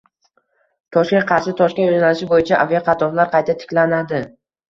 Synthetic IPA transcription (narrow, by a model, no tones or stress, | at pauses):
t̪ʰɒʃkʲenqʰɑɾʃɪt̪ʰɒʃkʲaozanalɪʃɪbojɪt͡ʃʰaʔavjaqʰɑt̪ʰɒplaɾqʰɑjt̪ʰat̪ʰɪ̥kʲlanad̪ɪ